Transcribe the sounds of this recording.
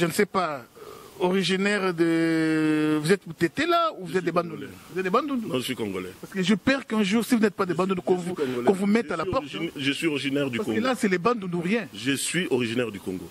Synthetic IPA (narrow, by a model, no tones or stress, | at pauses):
ʒənəsɛpa | ɔʁiʒinɛʁd̪ə | vuzɛt̪vut̪et̪elauvuzɛt̪̚d̪ebãd̪ũuvuzɛt̪d̪ebãd̪ũnd̪nɔ̃ʒəsɥikɔ̃ɡolɛppaʁsə̥kəʒəpɛʁkɛ̃ʒuːʁsivunɛt̪̚pad̪ebãd̪ũnd̪kɔ̃vũkɔ̃vumɛtt̪alapɔʁʒəsɥioʁiʒinɛʁd̪ypaskkɡlasɛlɛbãd̪ũd̪uʁjɛ̃ʒəsɥioʁiʒinɛʁd̪ykɔ̃ŋɡo̰